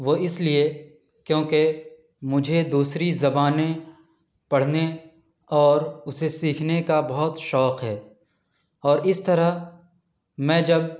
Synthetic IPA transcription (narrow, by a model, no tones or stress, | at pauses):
ʋoːɪslie | kjõːke | mʊd͡ʒʱed̪uːsɾizɐbaːne | pɐɽ̤ne | ɔːɾʊsesiːkʰnekabɐɦʊt̪ʃɔːqɦɛː | ɔːɾɪst̪ɐɾa | mɛ̃ːd͡ʒɐb̚